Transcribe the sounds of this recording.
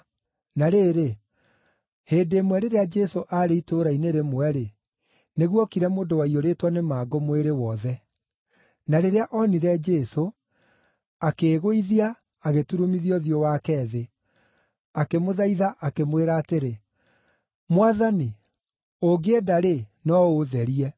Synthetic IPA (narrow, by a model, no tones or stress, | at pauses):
naɾeːɾe | heːdeːmwɛɾeɾead͡ʒɛsoʔaɾeitoɾaineɾemwɛɾe | neɣwɔkiɾɛmoːndowaioɾeːtwanemaːɡomweɾewɔðɛ | naɾeɾeaʔɔniɾɛd͡ʒɛso | akeːɣoiðiaː | ɣetuɾomiðiɔðjɔwakɛːðe | akemoðaiðaʔakemweɾaːteɾe | mwaðani | oɡeːdaɾenɔoðɛɾiɛ